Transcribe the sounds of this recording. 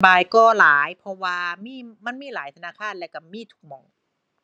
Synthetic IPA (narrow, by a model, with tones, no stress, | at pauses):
baː˨jkɔː˧˩laː˩˦jpʰɔ˧waː˧miː˧˥˨ma˧˥˨nmiː˧˥˨laː˩˦jt̪ʰa˧naː˧˥˨kʰaː˧˥˨nlɛː˧˩wka˧˩miː˧˥˩t̪ʰu̥˧k̚mɔː˧˩ŋ